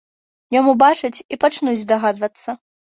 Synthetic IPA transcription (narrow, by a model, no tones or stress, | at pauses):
jamubat͡ʂɨt͡sʲipat͡ʂnud͡zʲd̪aɣad̪vɐt̪sːɐ